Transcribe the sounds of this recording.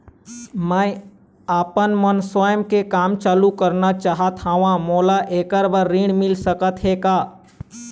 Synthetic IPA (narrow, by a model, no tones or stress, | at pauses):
məj | aːpənmənsajəmkekaːmt͡ʃaːlukəɾnat͡ʃaːɦət̪ãːʋãmolaʔeːkəɾbəɾːiɳmɪlsəkət̪ɦekaː